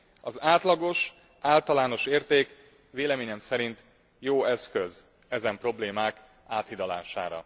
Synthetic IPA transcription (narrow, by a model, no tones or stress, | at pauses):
ɒzaːt̪lɒɡo̞ʃ | aːlt̪ɒlaːno̞ʃeːrt̪eːk | ʋeːlɛmeːɲɛmsɛɾint̪ | joːɛskøz | ɛzɛmpro̞bleːmaːk | aːt̪hid̪ɒla̰ːʃa̰ːɾɒ̰